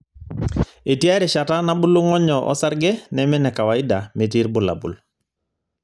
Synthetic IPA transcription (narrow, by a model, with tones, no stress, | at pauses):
e˨ti˦a˦ɾɛ˨ʃa˨ta˦nabu˦lu˦ŋɔ˦ɲɔʔɔ̰˦sa˦ɾɡɛ˦nɛmɛ˦nɛ˨ka˨wa˨i˦dame˨t̬i˦ɾbʊ˨la̰˨bṵ˨l